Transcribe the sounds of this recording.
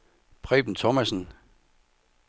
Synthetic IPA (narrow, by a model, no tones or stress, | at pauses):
pʰʁɛ̰ːb̥n̩t͡sʰɔmæsn̩